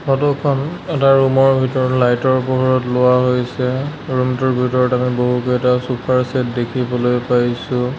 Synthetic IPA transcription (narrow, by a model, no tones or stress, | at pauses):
hɔtɔkʰɔnɛtaɹumɔɹbʱitɔɹɔtlajtɔɹpɔɦɔɹɔtlʊwaɦojsɛɹumtɔɹbʱitɔɹɔtamiboɦukoɛtasupʰaɹsɛtdekʰibɔlojpajsʊ̃